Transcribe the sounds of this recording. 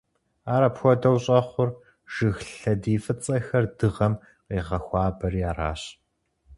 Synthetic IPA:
aːɾɐpxʷɔdɐwɕʼɐχʷʊr | ʒ̥ɨxɬɐdiːfɨt͡sʼɐxɐrdɨʁɐm | qiːʁɐxʷɑːbɐriaːra̰ːɕ

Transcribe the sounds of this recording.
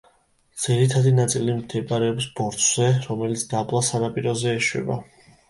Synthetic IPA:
d̪z̥iɾit̪ʰad̪inat̪sʼilimd̪ɛbaɾɛɔbisbɔɾt̪ʰʼz̥ɛɾɔmɛlit̪sʰd̪̥abʼlˠasanapʼiɾɔzɛːʃwɛ̰ba̰

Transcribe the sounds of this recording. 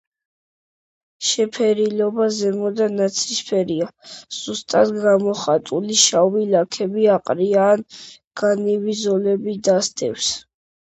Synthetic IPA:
ʃɛpʰɛɾilɔbazɛmɔd̪anat̪sʰispʰɛɾiaz̥ust̪ʼad̪ɡamɔχat̪ʼuliʃawilakʰɛbiaqʼɾiaːn | ɡ̥aniwizɔlɛbid̪ast̪ʼɛ̰fs

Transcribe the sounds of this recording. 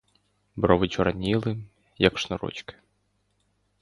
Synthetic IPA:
bɾɔʋɪt͡ʃɔɾɐnʲilˠɪ | jɐkʃnɔɾɔ̰t͡ʃkɪ̥

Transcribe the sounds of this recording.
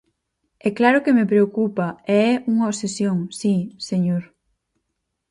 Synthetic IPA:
ɛklaɾʊkemepɾeokupɐeɛʔuŋɐosesjoŋsiseɲoɾ

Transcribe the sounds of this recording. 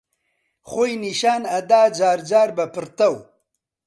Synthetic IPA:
xojniʃaːnɐd̪aːd͡ʒaːɾd͡ʒaːɾbɐpəɾt̪ɐw

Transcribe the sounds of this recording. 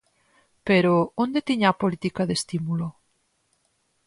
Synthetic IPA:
peɾoond̪et̪iɲaːpolit̪ikaðest̪imulo

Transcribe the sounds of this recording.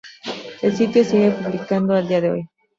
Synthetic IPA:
elsit̪josiɣepuβlikand̪oald̪iaðeo̰j

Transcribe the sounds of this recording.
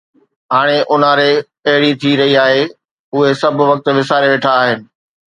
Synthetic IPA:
ɦaːɽ̃eʔʊn̤əɾe | ɐɦɪɽit̪ʰiɾɐɦiaːɦe | ʊɦesɐbʱʋɐk̚t̪ʋɪsaːɾeʋeːʈʰaːɦɪnɪ̆

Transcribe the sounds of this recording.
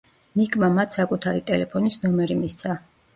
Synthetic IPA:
nikʼmamat̪ʰsakʼut̪ʰaɾit̪ʼɛlɛpʰɔnisnɔmɛɾimist̪sʰa

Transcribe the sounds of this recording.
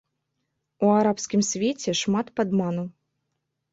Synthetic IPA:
uaɾapskʲimsʲvʲet͡sʲɛʂmat̪pad̪manuw

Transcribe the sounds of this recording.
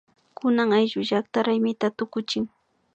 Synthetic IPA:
kʊnaŋajʒʊʒak̚t̪aɾajmɪt̪at̪ʊkʊt͡ʃɪŋ

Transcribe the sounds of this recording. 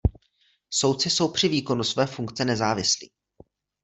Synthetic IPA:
so̞wt̪t͡sɪso̞wpr̝̥ɪviːko̞nusvɛːfuŋkt͡sɛnɛzaːvɪslḭː

